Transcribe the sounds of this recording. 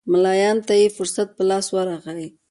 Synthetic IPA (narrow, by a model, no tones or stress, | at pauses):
mɪlɑjɑnt̪ajefʊɾsat̪̚pəlɑswaɾaxawi